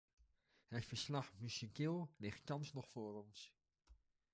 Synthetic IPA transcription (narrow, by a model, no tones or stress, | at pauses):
hətfəɹslɑχmysikɪːlˠlɪχt̚tɑnsnɔχfʊːrɔns